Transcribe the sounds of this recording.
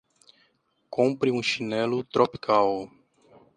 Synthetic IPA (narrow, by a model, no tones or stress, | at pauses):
kõpɾiũʃinɛlʊt̪ɾʔopi̥kʰaw